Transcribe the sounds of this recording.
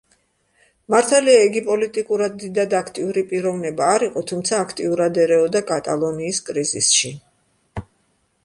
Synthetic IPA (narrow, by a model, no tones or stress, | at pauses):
maɾt̪ʰaliaɛɡipʼɔlit̪ʼikʼuɾad̪ːid̪ad̪akʰt̪ʼiuɾipʼiɾɔvnɛbaːɾiqʼɔt̪ʰumt̪sʰaːkʰt̪ʼiuɾad̪ɛɾɛɔd̪akʼat̪ʼalˠɔniːskʼɾizḭsʃi